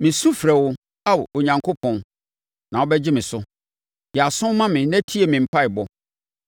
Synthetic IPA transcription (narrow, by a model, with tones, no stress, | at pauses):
mɪ̃˨sũ˦fɾɛ˨wʊ˦ | a˦wo˨ɲã˨ŋkʰo˦pʰɔ̃˨n | nã˨wɔ˦bɛ˦d͡ʑɪ˦mɪ̃˨sʊ˦ | jɛ˨a˨sʊ̃˦mã˦mɪ̃˨n˦æ˦tʰi˦e˨mɪ̃˨m̩˨pʰa˦ɪ˨bɔ˦